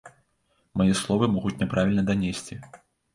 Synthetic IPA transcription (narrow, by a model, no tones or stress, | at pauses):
majɛslˠɔvɨmɔɣut͡sʲnʲɛpɾavʲilʲnɐd̪anʲesʲt͡sʲi